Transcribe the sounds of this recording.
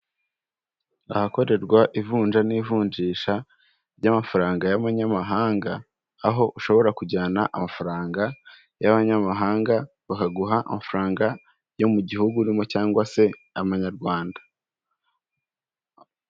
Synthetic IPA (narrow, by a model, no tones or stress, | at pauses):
ahako̞ɾe̞ɾɡwaʔivuːnʒaniːvuːɲd͡ʒiːʃa | ɾɟamafaɾaːŋɡajaβaɲamaɦaːŋɡaː | ɦo̞ʔuʃo̞βo̞ɾakuɟaːnaʔamafaɾaːŋɡa | jaβaɲamaɦaːŋɡa | βakaɡuɦaʔːmafɾaːŋɡa | jo̞muɟihuɡuɾimo̞caːŋɡwase̞aβaɲaɾɡwaːndḁ